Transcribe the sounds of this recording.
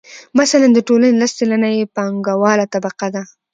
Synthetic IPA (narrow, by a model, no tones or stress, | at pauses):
masaland̪əʈolanelast͡ʃalanajepɑŋɡawɑlat̪abaqad̪a